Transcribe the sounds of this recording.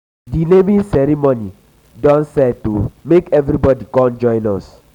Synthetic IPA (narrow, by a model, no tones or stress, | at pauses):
dinemĩnsɛɾimoni | dɔ̃nsɛtumekɛvɾibɔdikɔ̃nd͡ʒɔ̃j̃nɔs